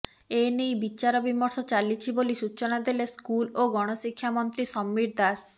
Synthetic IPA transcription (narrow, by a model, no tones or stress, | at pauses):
enejbit͡ʃaɾɔbimɔɾsɔt͡ʃalit͡ʃʰibolisut͡ʃɔnad̪eleskuloɡɔɽ̃ɔsikʰːjamɔnt̪ɾisɔmːiɾd̪as